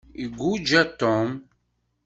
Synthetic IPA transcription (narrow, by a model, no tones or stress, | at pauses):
iɡʷud͡ʒæt̪ːɔm